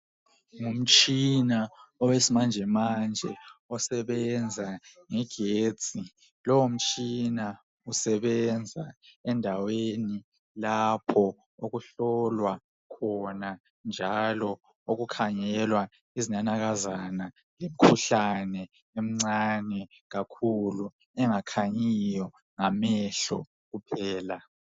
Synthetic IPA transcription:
ŋum̩t͡ʃʼinaɔwesimand͡ʒʱɛmand͡ʒʱɛɔsɛβɛnd͡zʱaŋɛɡ̥ʱe̥ːt͡sʼi | lɔwum̩t͡ʃʼina | usɛβɛnd͡zʱaɛndʱaweni | lapʰɔ | oɣuɬɔlwa | kʰɔna | nd͡ʒʱalɔ | oɣukʰaŋɛlwa | iziɲanaɣazana | lem̩kʰuɬanɛ | em̩ŋ͡ǀanɛ | ɣakʰulu | ɛŋakʰaɲijɔ | ŋamɛɬɔ̰ | ɣupʰɛːla

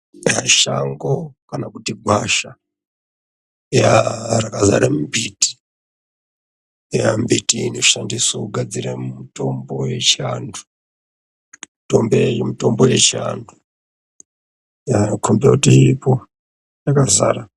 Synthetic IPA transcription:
jaʃaŋɡokanakutiɡʱwaʃa | jarakaza̰ɾamumbiti̥ | jambitiːno̞ʃandiswokuɡʱad͡ziɾamumuto̞mbo̞je̞t͡ʃiandu̥ | mitombemito̞mboje̞t͡ʃia̰ndʰu | jakʰumbiakutiɾipo | jakaza̰ːɾa

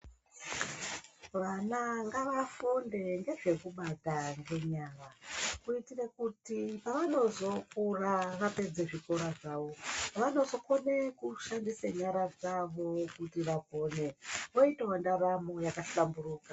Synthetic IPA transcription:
ʋanaŋɡaʋafunde̞ŋɡe̞ʐe̞kuɓadʱaŋɡe̞ɲarakuitirekutipaʋano̞zo̞kuraʋape̞d͡zeʐikoɾaʐaːʋo̞ʋano̞zo̞konekuʃandiseɲaɾad͡zaʋo̞kutiʋapo̞ːne̞ʋoitawandaramojakaɬamburuːka

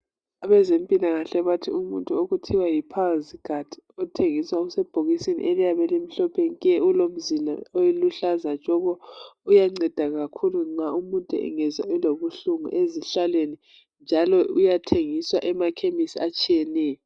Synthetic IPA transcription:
aβɛzempʼilaŋaɬɛβatʰḭumuntʼuoɣutʰiwajipʰazikad̥ʰʱʼi̥ɔtʰeŋiswausɛb̥ʱoɣisinḭʔɛlɛjaβɛlem̩ɬɔpʰeniɣɛʔulom̩zila̰ojiluɬazad͡ʒʱʼɔɣɔujaŋ͡ǀɛd̥ʱaɣakʰuluŋ͡ǀaumuntʼṵɛ̰ŋɛzwaɛloβuɬuŋṵʔeziɬalweni | nd͡ʒʱalɔujatʰeŋiswaʔɛmakʰemisiat͡ʃʰʼiɛnɛːjɔ

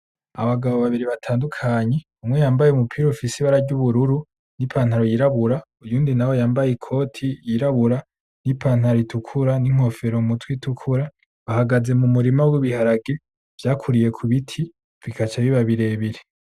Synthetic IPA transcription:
a̰βaɡaβo̞βaβiɾiβatʰaːndukʰaɲe̞ | umŋe̞jaːmbajeumupʰiːɾofisiβaɾaɟuβuɾuɾu | nipʰan̥haɾo̞jiɾaβuɾa | ujuːndinawo̞jaːmbajikʰo̞tʰijiɾaβuɾa | nipʰaːn̥haɾoitukʰuɾaniŋ̥o̞fe̞ɾomutwitukʰuɾa | βahaɡaze̞mumuɾimawiβihaɾaɡe | v̥jaːkʰuɾije̞kʰuβitʰi | v̥ikʰat͡ʃaβiβaβiɾe̞βiɾi

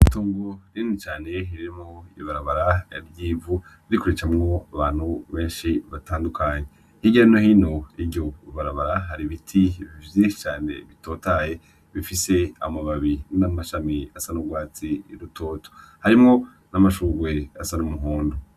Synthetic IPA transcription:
tuːŋɡoɾinit͡ʃaːne̞ɦiɾimŋoiβaɾaβaɾaja̰ɾjiːvu | iɾikuɾet͡ʃamŋo̞aβaːn̥huβe̞ːnʃiβataːndukʰaːɲe | hiɟanohino̞ibjo̞βaɾaβaɾaɦaɾiβitʰiβivjiʃt͡ʃaːne̞̰βitoːtaje̞ | βifise̞a̰maβaβinamaʃamiasanuɡwaːt͡siɾutʰoːto̥haɾimŋo̞ | namaʃuːɡwe̞asanumuɦoːndo

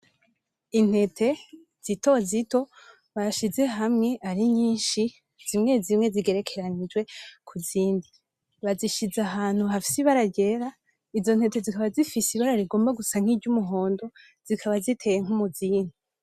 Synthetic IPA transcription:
in̥e̞tʰe̞ | z̥ito̞zito̞ | βaʃize̞ɦamŋe̞ʔaɾiɲiːnʃi | z̥imŋe̞zimŋe̞ziɡe̞ɾe̞kʰe̞ɾaɲid͡ʒwe̞kʰuziːndi | βaziʃizaɦaːn̥huhafi̥siβaɾaɾɟe̞ɾa | izo̞n̥he̞te̞zikaβazifisiβaɾaɾiɡo̞ːmbaɡusaŋ̥iɟumuɦo̞ːndo̞ | z̥ikʰaβazitʰe̞jeŋ̥umuziːni

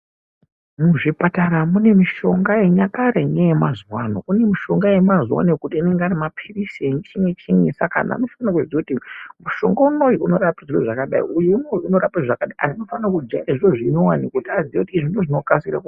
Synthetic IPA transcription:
muʐipataɾamune̞miʃo̞ŋɡajeɲakareɲejemazwano̰kune̞miʃo̞ŋɡaje̞mazwa̰nekutiine̞ŋɡearimapʰirisient͡ʃimwet͡ʃimesakana̰no̞fannakuziakutimuʃo̞̰ŋɡaunojiuno̞rapiʐiroʐakaɗa̰ḭujemojuno̞ɾapaʐakaɗaʔa̰nano̞fannakud͡ʒairaʐiroʐino̞wanikoutiaziekutiːʐindoʐino̞kasira̰ku

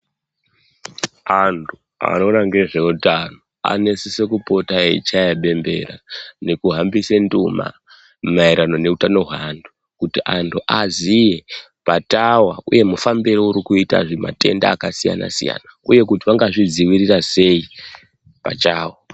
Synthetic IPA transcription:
antʰu | a̰no̞naŋɡe̞ʐe̞utano | a̰ne̞sisekupo̞taeit͡ʃajaɓe̞mbe̞̰ɾane̞kuɦambisenduma̰ | maiɾano̞ne̞utano̞ɦwandu | kutiʔantʰuʔazije | patawauje̞mufambiɾouɾikuita̰ʐima̰te̞̰ndaːkasija̰na̰sḭja̰nauje̞kutiʋaŋɡaʐid͡ziwirirase̞i | pa̰t͡ʃaːwo

